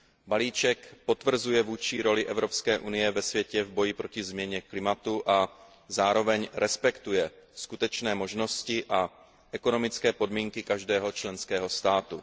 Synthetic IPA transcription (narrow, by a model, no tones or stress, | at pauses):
baliːt͡ʃɛkpo̞t̪vr̩zujɛvuːt͡ʃiɾo̞lɪʔɛvɾo̞pskɛːʔunɪjɛvɛsvjɛcɛvbo̞jɪpɾo̞cɪzmɲɛɲɛklɪmat̪uʔa | zaːɾo̞vɛɲɾɛspɛkt̪ujɛskut̪ɛt͡ʃnɛːmoʒno̞scɪʔa | ʔɛko̞no̞mɪt͡skɛːpo̞dmiːŋkɪkaʒdɛːɦo̞t͡ʃlɛnskɛːɦo̞st̪aːt̪u